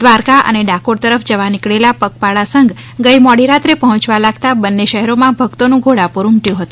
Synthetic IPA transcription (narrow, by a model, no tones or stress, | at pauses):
d̪ʋaɾkaʔə̰neɖakoɾt̪əɾəfʰd͡ʒəʋanikɭelapək̚paɭasəŋɡ | ɡəjmɔɽiɾat̪ɾepəɦɔ̃t͡ʃʋalaɡ̚t̪abənːeʃəɦɛɾomãbʱəɡt̪onũɡʱoɽapuɾumʈjũɦət̪ũ